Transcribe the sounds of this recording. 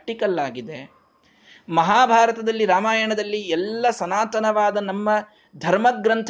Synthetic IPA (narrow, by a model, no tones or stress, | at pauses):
ʈikɐlːaːɡid̪e | mɐɦaːbʱaːɾɐt̪ɐd̪ɐlːiɾaːmaːjɐɳɐd̪ɐlːiɛlːɐsɐnaːt̪ɐnɐʋaːd̪ɐnɐmːɐ | d̪ʱɐɾmɐɡɾɐnt̪ʰ